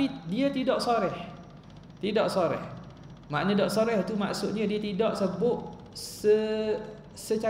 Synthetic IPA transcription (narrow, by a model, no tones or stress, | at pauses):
idiət̪idɔʔsoɾɛh | t̪idɔʔsoɾɛ̰h | ma̰ʔnədɔʔsoɾɛht̪uma̰ʔsʊt̪̚ɲadiət̪idɔʔsəbʊʔ̪̚ | sə | sət͡ʃa